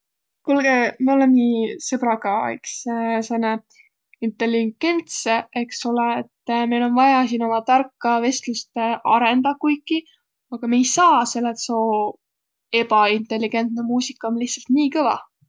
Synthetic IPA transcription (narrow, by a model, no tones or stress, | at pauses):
kulɡ̥emiolenniːsebɾɑɡɑḛkssene | int̪e̞liɡ̥e̞nt̪seeksuleːt̪ːmejlo̞nvɑjɑsiːno̞mɑt̪ɑrkːɑve̞st̪lust̪eʔɑɾe̞nd̪ɑkujkːi | ɑɡ̥ɑmejsɑːse̞lːet̪soː | e̞pɑint̪ˑe̞lːiɡ̥e̞nt̪nemuːsikːˑɑonlihtsɑlt̪niːkɤvɑ̰